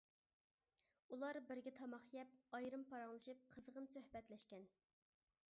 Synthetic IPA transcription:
ulˠɑɾbɪɾɡʲɛt̪ʰɑmɑχjɛp̚ɑjɾɨmpʰɑɾɑŋlˠɨʃɨp̚qʰəzəʁənsøhbɛt̪lɛʃkʲɛn

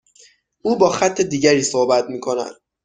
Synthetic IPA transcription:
ʔuːbɒːxæt̪ʰːe̞d̪iːɟæɾiːsohbæt̪miːkʰo̞næ̰d̪̥

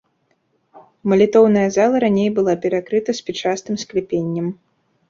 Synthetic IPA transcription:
mɐlʲit̪ɔwnɐjɐzalˠɐɾanʲejbɨlˠapʲɛɾakɾɨt̪ɐspʲɛt͡ʂast̪ɨmsklʲɛpʲenʲːɐm

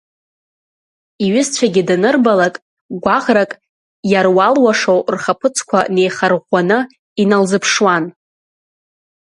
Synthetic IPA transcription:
iɥɪzt͡ɕʷʰaɡʲɪdanɨrbalakʼ | ɡʷaʁrakʼ | jarwalwaʂowrχapʰɨt͡sʰkʷʰa̰ne̞jχarʁʷanɨ | inalzɨpʰʂwan

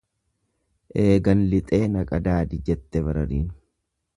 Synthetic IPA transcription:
ʔe̞ːɡɐnlɪt̪ʼe̞ːnɐkʼɐd̪aːd̪ɪd͡ʒɛt̪ːɛbɐɾɐ̰ɾiːn

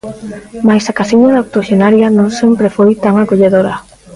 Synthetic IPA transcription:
majsakasiɲaðaok̚t̪oʃenaɾjanõŋsempɾefojt̪aŋakoʎeðoɾɐ

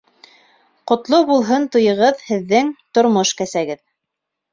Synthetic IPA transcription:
qŏt̪lˠobulˠɦɤnt̪ŏjɤ̆ʁɤðhɘ̆ðːɘŋt̪ŏɾmoʃkæsæɡɘð

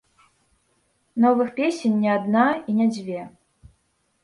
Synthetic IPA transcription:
nɔvɨxpʲesʲɛnʲːiad̪nainʲɛd͡zʲvʲɛ

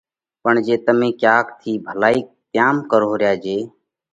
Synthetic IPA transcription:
pəɳd͡ʒeːt̪əmẽːkjaːkt̪ʰiːbʱəlaːiːt̪ɪjaːmkəɾoːɾjaːd͡ʒeː

